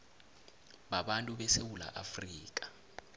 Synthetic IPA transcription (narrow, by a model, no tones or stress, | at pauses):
ɓaɓantʼuɓɛsewula̰ʔafriːk̬ʼḁ